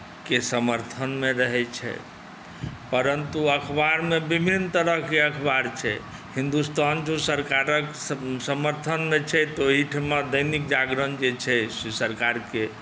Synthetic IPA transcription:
kesəməɾt̪ʰənmeɾəɦɛt͡ʃʰɛ̰ | pəɾənt̪uəkʰbaɾmebibʱint̪əɾəɦkeəkʰbaɾt͡ʃʰɛ | hĩnd̪ust̪and͡ʒõsəɾkaɾəksəməɾt̪ʰənmet͡ʃʰɛt̪oɦiʈʰmad̪əjnikd͡ʒaɡɾənd͡ʒet͡ʃʰɛsisəɾkaɾke

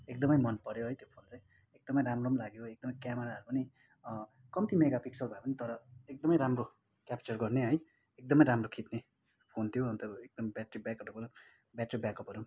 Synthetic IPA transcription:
ek̚d̪ʌmʌjmʌnpʌɾjoɦʌjt̪jopʰont͡saj̃ | ek̚d̪ʌmʌjɾamromlaɡjoek̚d̪ʌmʌjkjameɾaʌɾupʌni | kʌmt̪imeɡapiksʌlbʱaepʌnit̪ʌɾʌek̚d̪ʌmʌjɾamro | kjapt͡sʌrɡʌrneɦʌj | ek̚d̪ʌmʌjɾamrokʰit̪ne | pʰont̪ʰijoɦʌnt̪ʌek̚d̪ʌmbjaʈribjakʌɾupʌɾu | bjaʈribjakʌpʌɾu

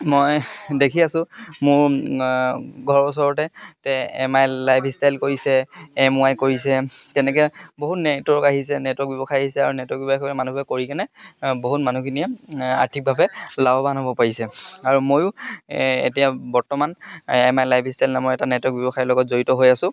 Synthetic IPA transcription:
mojdekʰiasʊ̃mʊɹ | ɡʱɔɹɔsɔɹɔtɛtɛɛ̰majlajbʰʱistajlkoɹisɛːmʊajkoɹisɛtɛnɛkɛboɦutnɛtɔkaɦisɛnɛtɔk̚bjɔbɔxajaɦisɛaɹunɛtɔk̚ɡbjɔbɔɛmanubɛkoɹikanɛboɦutmanukʰiniɛa̰ɹtʰik̚bʱabɛlabɔbanɦobɔpaɹisɛaɹumojʊ | ḛtijabɔɹtɔmanɛmajlajbʱistajlnamɔjɛtanɛtɔk̚bjɔbɔxajɔlɔɡɔtzoɹitɔɦojasʊ̃

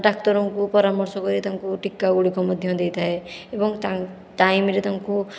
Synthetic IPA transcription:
ɖakʈɔɾɔŋkupɔɾamɔɾsɔkɔɾit̪aŋkuʈikːaɡuɽikɔmɔd̪ʱjɔd̪ejt̪ʰaɦeebɔŋt̪a | ʈajmɾet̪aŋku

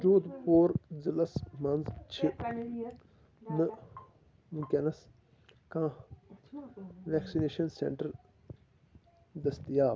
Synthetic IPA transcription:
d͡ʒuːd̪poːɾzɐlɐsmɐnzt͡ʃʰi | nɨ | muŋkʲɐnɐs | kãː | ʋɛːksineːʃɐnsḛːɳʈɐɾ | d̪ɐst̪ijaː

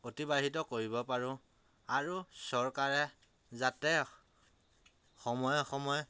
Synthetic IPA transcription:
otibaɦitɔkoɹibɔpaɹʊ̃ | aɹusɔɹkaɹɛ | zatɛ | xɔmɔjxɔmɔj

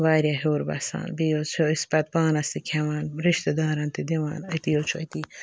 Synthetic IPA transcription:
waːɾjɐɦoːɾbɐ̰sa̰ːnbijot͡sʰoispɐt̪̚baːnɐst̪ikʲʰewaːnɾiʃt̪ɐd̪aːɾɐnt̪id̪ewa̰ːnɐt̪ijot͡ʃʰuɐjt̪i

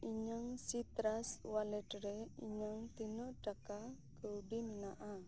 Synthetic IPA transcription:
iɲəŋsit̪ɾaswaledɾeiɲəŋt̪inʊʔd̥aka | ɡ̥əuɖiminaʔa

